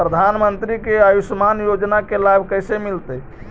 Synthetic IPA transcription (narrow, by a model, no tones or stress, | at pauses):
ɾəd̪ʱanmənt̪ɾikeajusmanjod͡ʒnakelabʱkəjsemilt̪ə